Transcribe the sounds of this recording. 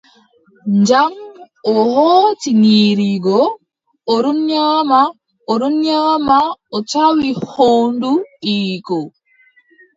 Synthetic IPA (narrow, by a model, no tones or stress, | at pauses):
ɲd͡ʒam | ɔhoːtiniːɾiɡɔ | ɔɾunɲaːma | ɔɾunɲaːmaɔt͡ʃawihoːnduʔiːkɔ